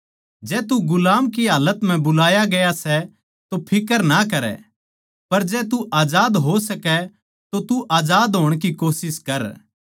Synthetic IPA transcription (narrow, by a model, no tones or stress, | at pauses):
d͡ʒɛːt̪uɡʊlaːmkiɦaːlət̪m̤ɛ̃bʊlaːjaɡɐjasɛ | t̪opʰɪkəɾnakɐɾɛ̰ | pɐɾd͡ʒɛːt̪̬uʔaːd͡ʒaːd̪ɦosɐkɛ | t̪ot̪uʔaːd͡ʒaːd̪ɦoːɽ̃kikoːsɪskɐɾ